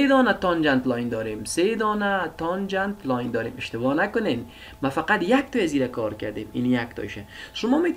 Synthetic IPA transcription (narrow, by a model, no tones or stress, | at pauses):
ed̪ɒːnat̪ɒnd͡ʒant̪lɔjnd̪ɒːɾemsed̪ɒːnat̪ɒnd͡ʒant̪lɔjnd̪ɒːɾemɪʃt̪ɪbɔːnakʊnem | mafaqat̪jak̚t̪ɔjaziɾakɒɾka̰ɾd̪emḭnjakt̪ʰɔ̰jʃaʃʊmɔːme